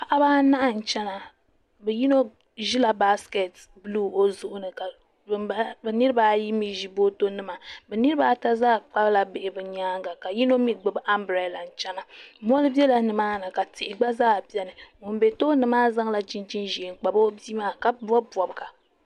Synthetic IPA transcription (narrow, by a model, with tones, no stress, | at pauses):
pa˨ʔa˦baː˦na˦ʔa˦n̩˨t͡ʃɛ˦na˨ | bɛ˨ji˦no˦ | ʒi˦la˨ba˦ske˨t | bɨ˦luː˦o˦zʊ˨ʔʊ˨nɨ˨ka˨ | bba˦bɛ˨nɨ˦ɾɨ˦ba˨˦ji˦mi˦ʒi˦bo˦to˦nɨ˦ma˨bɛ˨nɨ˦ɾɨ˦ba˨ta˦zaː˦˨k͡pa˦bla˨be˨ʔɪ˨bɨ˨ɲaː˦ŋɡa˨ka˨ji˦no˦mi˦ɡ͡bɨ˨bɨ˦ʔa˦mbɾe˨la˨n̩˨t͡ʃɛ˦na˨mɔ˦lɨ˦bjɛ˦la˨nɨ˨maː˦na˨ka˨tɪ˨ʔɪ˨ɡ͡ba˦zaː˦˨bi˦ɛ˦nɨ˨o˨m˦be˨to˦nɨ˨maː˦za˦ŋ˦la˨d͡ʒi˦nt͡ʃi˦nʒe˨ŋ̩˨k͡pa˨bo˦bi˦maː˦ka˨bɔ˦bɔ˨bɨ˨ɡa˨